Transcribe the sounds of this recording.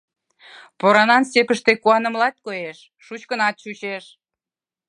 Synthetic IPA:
poɾɑnɑnsepəʃt̪ekuɑnə̆mlɑt̪̚kojeʃːut͡ɕkənɑt̪̚ʃut͡ɕeʃ

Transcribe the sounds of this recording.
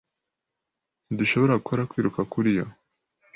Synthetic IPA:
nduʃo̞βo̞ɾakʰoɾakwiːɾukakuɾijo

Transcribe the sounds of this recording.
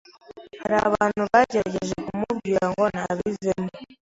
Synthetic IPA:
haɾaβaːnuβaɟeɾaɟeʒekumuβaːŋɡo̞naβizemo

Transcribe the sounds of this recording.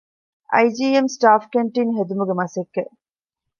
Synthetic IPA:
ʔɐ̰jd͡ʒiːemsʈaːfkeɳʈiŋɦed̪umuɡemɐsekːe

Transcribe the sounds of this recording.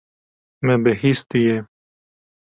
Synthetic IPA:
mɛbehist̪ije

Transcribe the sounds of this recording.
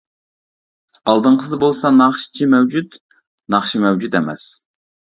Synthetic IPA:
ɑlˠd̪ɨɴqʰəsɨd̪ɨbolˠsɑnɑχʃi̥t͡ʃʰimɛwd͡ʒut̪ | nɑχʃimɛwd͡ʒut̪ɛmɛ̰s

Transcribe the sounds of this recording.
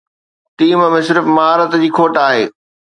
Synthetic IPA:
t̪iːməmɪ̃sɪɾfmɐɦaːɾət̪d͡ʑiːkʰoːʈaːɦeː

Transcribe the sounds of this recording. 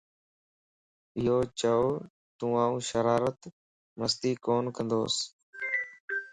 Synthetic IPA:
ɪɦoːt͡ʃəoː | t̪ũːaːũːʃəɾaːɾət̪ | məst̪iːkoːnkə̃nd̪oːs

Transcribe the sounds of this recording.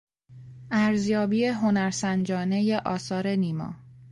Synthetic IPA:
æɾzjɒːbiːeɦo̞næɾsænd͡ʒɒːne̞je̞ʔɒːsɒːɾe̞niːmɒ̰ː

